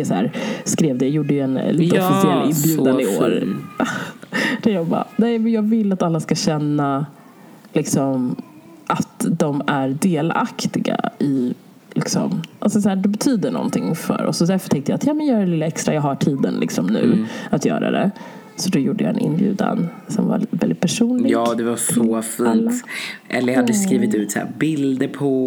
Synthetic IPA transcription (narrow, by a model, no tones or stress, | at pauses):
d̪ɛsæ̰ːɾskɾeːvd̪əjajuːɖːəjɛnliːt̪əɔfɪsɪɛlːɪnːbjʉːd̪and̪əɪoːɾ | d̪̥ɛjɑːba̰nɛɪmɛnjɑːɡvɪlːat̪alːaskaɕɛnːa | lɪksɔm | ʔat̪d̪ɔmæɾɖeːla̰kt̪ɪɡa̰ɪ | lɪksɔ̰mʔalsɔsæːɖɛbɛt̪ʰyːd̪əɳɔ̰nt̪ʰɪŋfœ̰ɾʔɔ̰sːɔd̪æɾfœ̥ʈʰɛŋt̪əjaːt̪jɑːmɛnjœːɾaɛlɪlːaɛkst̪ɾajɑːɦaʈʰiːd̪ənlɪksɔmnʉ̟ːat̪jœ̰ːɾa̰d̪ɛ̰ | sɔd̪ɔjuːɖːəja̰ɛ̰nʔɪ̰nbjʉ̟ːd̪a̰nsɔmva̰vɛld̪ɪt̪̚pʰæʂuːnlɪjɑːd̪ɛvaɾsɔfiːnlːt̪ʔɛlːəjhad̪ːəskɾiːvɪt̪ʉ̟ːt̪sæ̰ːbɪld̪əɾpʰɔ